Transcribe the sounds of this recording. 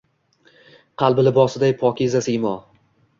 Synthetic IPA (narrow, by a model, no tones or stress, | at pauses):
qʰɑlˠbɪlɪbɒsɪd̪ajpʰɒkʲizasimɒ